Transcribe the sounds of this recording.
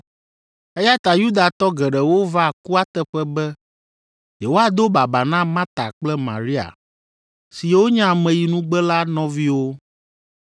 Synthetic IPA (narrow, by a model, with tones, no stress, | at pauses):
ɛ˦ja˦t̪a˨ju˦d̪a˨t̪ɔ˦ɡɛ˨ɖɛ˨wo˦va˦˨ku˦a˦t̪ɛ˦ɸɛ˦bɛ˦ | je˨wo˦a˨d̪o˦ba˨ba˨nã˦mã˦t̪a̰˨k͡plɛ˦mã̰˨ɾi˦a̰˨ | si˨je˨wo˦ɲã˦˨mɛ̃˨ji˨nũ˦ɡ͡bɛ˦la˦nɔ̃˦vi˦wo˦